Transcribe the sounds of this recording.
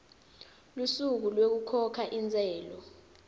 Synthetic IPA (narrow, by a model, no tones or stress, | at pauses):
lusuk̬ulwek̬ukʰɔkʰaʔint͡sʼɛːlɔ